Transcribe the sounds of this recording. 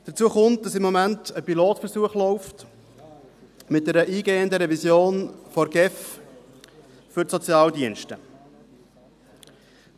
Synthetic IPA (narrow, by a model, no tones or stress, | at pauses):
d̥ət͡suəχʊnt̚d̥ɑsɪmːɔmæntəpiloːtfəɾsuəχlɔʊft | mɪt̚dɛɾəʔiːɡeːənd̪əɾɛvisjoːnfɔɾɡɛf | fʏɾsɔt͡sjɑːldiənʃtə